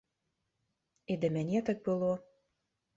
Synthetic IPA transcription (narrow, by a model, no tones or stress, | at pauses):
ed̪emænʲet̪ə̆k̚bɤlo